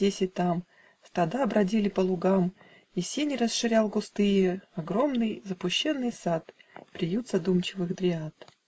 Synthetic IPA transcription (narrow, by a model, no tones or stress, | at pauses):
esʲɪt̪am | st̪ɐd̪aɐbɾɐdʲilʲɪpəlˠʊɡam | isʲenʲɪɾəsʂɨɾʲalˠɡʊst̪ɨjɪɐɡɾo̞mnɨjzəpʊɕːe̞nːɨjsat̪pɾʲɪjut̪zɐd̪umt͡ɕɪvɨxd̪ɾʲɪat̪